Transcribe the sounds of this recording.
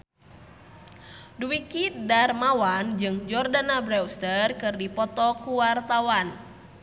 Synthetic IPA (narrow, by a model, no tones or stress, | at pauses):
duwikit̪̚darmawand͡ʒɨŋd͡ʒɔrdanabɾɛwst̪ərkɨrdipɔt̪ɔkuwart̪awan